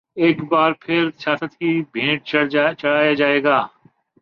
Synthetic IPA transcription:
eːkbaːɾpʰɪɾsjaːsət̪kibʱẽːʈ̚t͡ʃɐɽ̤aːjad͡ʒaːeːɡaː

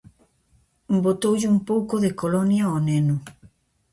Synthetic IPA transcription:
bot̪owʎɪumpowkʊðɪkolɔnjɐɔnenʊ

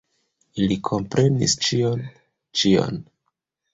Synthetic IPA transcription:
ilikʰo̞mpɾe̞nḭst͡ʃion | t͡ʃio̰n

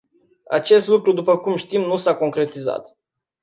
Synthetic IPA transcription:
a̰t͡ʃe̞st̪lukɾud̪upəkumʃt̪imnusako̞ŋkɾe̞t̪iza̰t̪

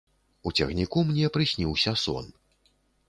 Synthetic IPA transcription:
ut͡sʲɛ̰xnʲikumnʲɛpɾɨsʲnʲiwsʲɐsɔ̰n

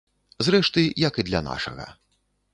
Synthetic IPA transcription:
zɾɛʂt̪ɨjɐkid̪lʲɐ̰na̰ʂɐ̰ɣɐ̰

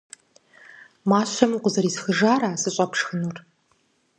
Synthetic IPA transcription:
maːɕɐmqʷʊzɐɾiːsxɨʒaːɾaːsɨɕʼɐpʂxɨnur

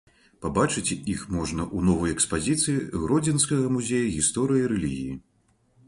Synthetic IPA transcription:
pabat͡ʂɨt͡sʲixmɔʐnɐʔunɔvɐjɛkspazʲit̪sɨjiɣɾɔd͡zʲɛnskɐɣɐmuzʲejɐɣʲist̪ɔɾɨjɐiɾɛlʲiɣʲiji

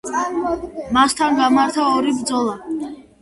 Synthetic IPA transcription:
mast̪ʰanɡamaɾt̪ʰaɔɾibɾd̪zɔlˠa

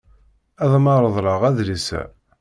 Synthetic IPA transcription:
æðˤmɑɾˤəðˤɾˤɑʁæðlisæ̰

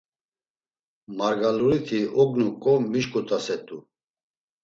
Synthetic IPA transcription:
maɾɡaluɾit̪ʰiɔɡnukʼɔmiʃkʼut̪ʼasɛt̪ʼu

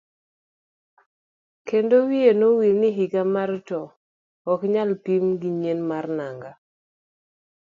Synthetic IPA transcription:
kendowienowilnɪɦiɡamartɔ | ɔkɲalpimɡiɲenmarnaŋɡa

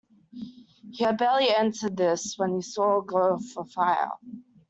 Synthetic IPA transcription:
hiɨbɛlˠiɛ̃ntə˞d̪̚ðɪswə̃nisɔəɡloʊv̥fə˞faɪ̰lˠ

